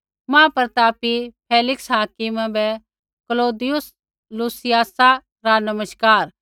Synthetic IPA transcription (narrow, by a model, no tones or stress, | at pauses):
mãːpɐɾt̪aːpipʰeːlɪksɦaːkɪmãbɛ | kəloːd̪ɪjʊs | luːsɪjaːsa | ɾanɐməʃkaːɾ